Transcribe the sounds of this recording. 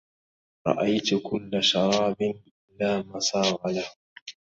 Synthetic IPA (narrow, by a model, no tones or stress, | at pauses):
ɾˤɑ̰ʔajt̪ʊkʊlːaʃɑɾˤɑːbɪnʔɪlaːmasɑːɣɑlah